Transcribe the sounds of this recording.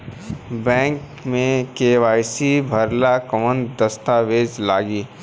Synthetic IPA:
bɛ̃ːŋk | mẽkeːʋaːɪsibʱɐɾlakəmə̃nd̪ɐst̪aːʋeːd͡ʒlaːɡiː

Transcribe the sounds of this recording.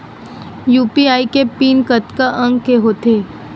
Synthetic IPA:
juːpiaːikepiːnkət̪kaʔə̃ŋɡkeɦoːt̪eː

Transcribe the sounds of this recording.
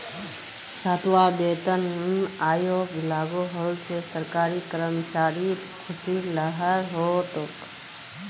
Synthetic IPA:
sat̪waːd̪eːt̪ənunaːjoɡʋɪlaːɡoɦoːlsesəɾkaːɾikəɾəmt͡ʃaːɾi | kʰʊsiləɦəɾɦoːt̪ʊk

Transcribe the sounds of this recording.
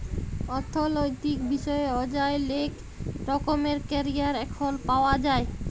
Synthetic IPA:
ɔɾt̪ʰːolojt̪ikbiʃɔeɔd͡ʑaelek | ɾɔkomeɾkɛɾiaɾɛkʰolpaoad͡ʑae

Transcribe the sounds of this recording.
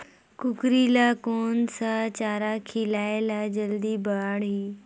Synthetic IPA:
kʊkɾilaːkoːnsãt͡ɕaːɾakʰilaːelad͡ʑɐld̪ibɐaːɽiː

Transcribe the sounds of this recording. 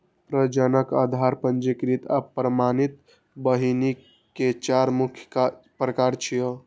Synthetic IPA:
pɾəd͡ʒənəka̰d̪ʱaɾpənd͡ʒikɾit̪a̰pɾəmanit̪ | bəɦini | ket͡ʃaɾmukʰjkapɾəkaɾt͡ʃʰijo

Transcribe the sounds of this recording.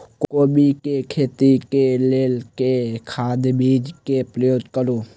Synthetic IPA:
kkoːbikekʰeːt̪ikeleːlkekʰaːd̪bid͡ʒkepɾəjoːd̪kəɾu

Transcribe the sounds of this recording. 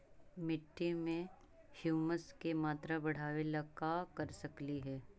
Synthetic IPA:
mɪʈːimẽ | hjuːməskemaːt̪ɾabɐɽ̤aːʋelakaːkɐɾsɐkliɦɛː

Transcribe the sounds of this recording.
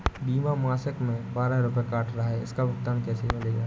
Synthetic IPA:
biːmamaːsəkmẽbaːɾaɾʊpjekaːʈʰɾɐɦaɦɛɪskabʊk̚t̪aːnkɛːsemleːɡaː

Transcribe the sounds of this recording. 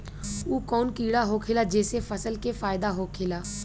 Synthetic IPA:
uːkɔːnkiːɽaɦokʰɪːlad͡ʒeːsefəsəlkefaːɪd̪aɦokʰɪːlaː

